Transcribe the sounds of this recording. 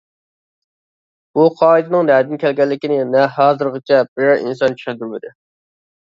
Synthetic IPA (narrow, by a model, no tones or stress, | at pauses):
b̥uqʰɑːid̪ɨnɪŋnɛd̪ɪnkʲʰɛlɡʲɛlːɪkʲinɪnɛɦɑːzɨɾʁət͡ʃʰɛbɪɾɛɾḭnsɑnt͡ʃʰy̥ʃɛnd̪ɪɾmɪd̪ɪ